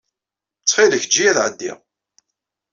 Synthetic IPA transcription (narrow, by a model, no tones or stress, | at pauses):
t͡sːχiləçəd͡ʒːijæθʕəd̪ːḭʁ